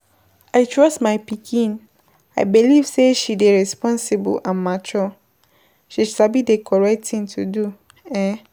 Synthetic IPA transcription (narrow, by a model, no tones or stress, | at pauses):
aɪtʰɹɔstmaɪpikʰĩn | a̰ɪbilivseʃideɹɛspɔ̃nsibṵlʔãnmat͡ʃɔ | ʃisabidekʰɔɹɛk̚tʰĩntʰudu | ɛ̃